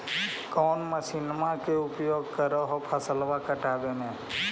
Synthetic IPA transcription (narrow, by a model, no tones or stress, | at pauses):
kɔːnməʃinmãkeʊpjoːɡ̚kəɾəɦopʰəsəlʋakəʈaːbenẽː